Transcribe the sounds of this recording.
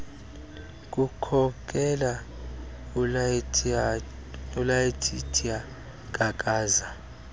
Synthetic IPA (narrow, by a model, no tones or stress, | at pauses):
kʼukʰɔkʰʼɛla | ulajitʰitʰia | kʼakʼaːza